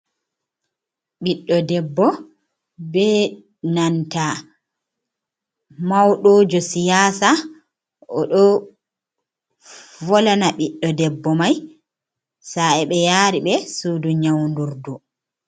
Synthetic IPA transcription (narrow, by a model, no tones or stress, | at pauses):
ɓiɗːɔdɛbːɔ | bɛ | nanta | mawɗoːd͡ʒɔsijaːsa | ɔɗɔ | vɔlanaɓiɗːɔdɛbːɔmaj | saɛɓɛjaːɾiɓɛsuduɲawnduɾdu